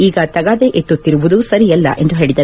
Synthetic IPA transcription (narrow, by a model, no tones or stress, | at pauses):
iːɡɐt̪ɐɡaːd̪eʔet̪ːut̪ːiɾuʋud̪usɐɾijɐlːɐ̰ʔe̞nd̪uɦeːɭid̪ɐ